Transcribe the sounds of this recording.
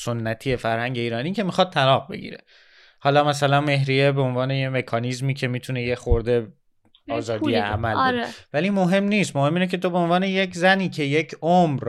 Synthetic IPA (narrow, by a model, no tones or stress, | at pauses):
sonːæt̪ʰije̞fæɾhæɲɟe̞iːɾɒːniːcʰe̞mixɒd̪̚t̪ʰælɒːq̚be̞̰ɟḭːɾe̞̰ | hɒːlɒːmæs̬ælænme̞ɦɾijebeonvɒːne̞jemekʰɒnizmiːcʰe̞miːt̪ʰune̞jexoɾd̪e̞ | ɒːzɒːd̪iæ̰mæloɾevæliːmoɦe̞mniːst̪mohemiːnecʰe̞t̪ʰobe̞onvɒːne̞je̞cʰzæniːcʰe̞je̞cʰomɾ